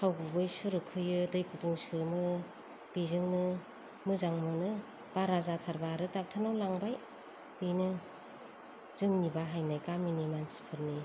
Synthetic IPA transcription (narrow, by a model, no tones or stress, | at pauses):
hʰawɡubɯjsuɾɯkʰɯjɯdɯjkʰutʰuŋsɯmɯ | b̥izɯŋnɯ | mɯzaŋmɯnɯ | b̥aɾazatʰaɾbaɾɯtak̚tʰanawlaŋbaj | b̥ijnɯ | z̥ɯŋnibaɦajnɯjkaminimansi̥pʰɯɾni